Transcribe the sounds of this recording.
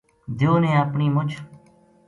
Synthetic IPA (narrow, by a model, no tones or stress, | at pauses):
d̪ʱjoːnẽːəpɳiːmʊt͡ʃʰ